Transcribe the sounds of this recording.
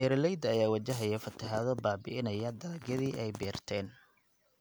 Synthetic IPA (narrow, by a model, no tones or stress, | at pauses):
ɛːɾlɛjd̪ɐjaːwɐt͡ʃɐɦɐjɐfɐt̪ʰɐɦaːðɔbaːbɪʔɪnɐjɐd̪aːɡɐðiːʔɛjbɛːrt̪ʰɛːn